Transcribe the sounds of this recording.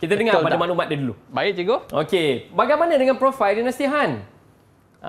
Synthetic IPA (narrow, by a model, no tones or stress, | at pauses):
kit̪ədəŋapadamanumat̪̚dədulubaɪʔ̚t͡ʃiɡoo̰kebaɡajmanadəŋanpɾofajldinəsiɦan